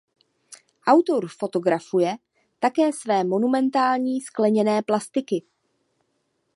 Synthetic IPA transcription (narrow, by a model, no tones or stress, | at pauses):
ʔawt̪o̞ɾfo̞t̪o̞ɡɾafujɛ | t̪akɛːsvɛːmo̞numɛnt̪aːlɲiːsklɛɲɛnɛːplast̪ɪkɪ